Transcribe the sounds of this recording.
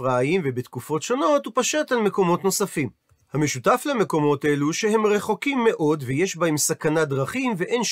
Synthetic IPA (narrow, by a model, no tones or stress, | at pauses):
ʁaːimvebet̪kufo̞tʃo̞no̞t̪upaʃatalme̞ko̞mo̞tno̞safim | hame̞ʃutafleme̞ko̞mo̞te̞luʃehe̞mʁe̞χo̞kimːe̞ʔo̞dvejeʃbaemsakanad̪ʁaχimve̞ʔe̞nʃ